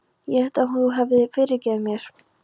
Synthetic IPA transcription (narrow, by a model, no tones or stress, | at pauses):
jɛhɛht̪aɦunθuɦavðɪfɪːɾɪɾcɛːðmjɛɾ̥